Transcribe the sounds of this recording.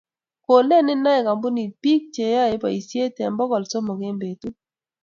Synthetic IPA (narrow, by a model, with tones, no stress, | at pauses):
ko˨le˦˨nɪ˦na˦ɛ˨ka˨mbu˦ni˨pi˦k̚t͡ʃe˨ja˦˨e˦pa˨i˨sje˦tɛ˨mbɔ˦kɔ˨lsɔ˦mɔ˨ɡe˦mbe˨tu˦